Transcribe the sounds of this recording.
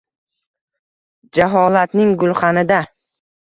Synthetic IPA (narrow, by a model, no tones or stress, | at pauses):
d͡ʒaɦɒlat̪nɪŋɡʊlˠχɑnɪd̪a